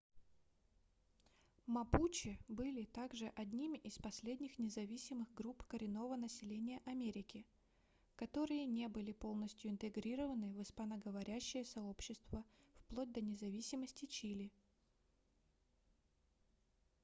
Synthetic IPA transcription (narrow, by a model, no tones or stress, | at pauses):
mɐput͡ɕɪbɨlʲɪt̪aɡʐɨʔɐd̪ʲnʲimɪspɐsʲlʲedʲnʲɪxnʲɪzɐvʲisʲɪmɨxɡɾupkəɾʲɪno̞vənəsʲɪlʲenʲɪjəʔɐmʲeɾʲɪkʲɪ | kɐt̪o̞ɾɨjənʲe̞bɨlʲɪpo̞lˠnəsʲtʲjʊɪnt̪ɨɡɾʲiɾəvənɨvɨspɐnəɡəvɐɾʲæɕːɪjəsɐo̞pɕːɪst̪vəfplˠod̚ʲd̪ənʲɪzɐvʲisʲɪməsʲtʲɪt͡ɕilʲɪ